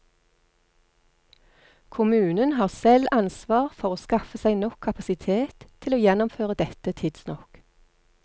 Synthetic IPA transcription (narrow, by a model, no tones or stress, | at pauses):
kʰʊmʉːnənhɑːʁsɛlɑnsʋɑːʁfɔʁoːskɑfəsæɪnɔkʰːɑpɑsɪt̪ʰeːt̪ʰːɪloːjɛnʊmføːʁəd̪ɛt̪ət̪ʰɪd̪̥snɔk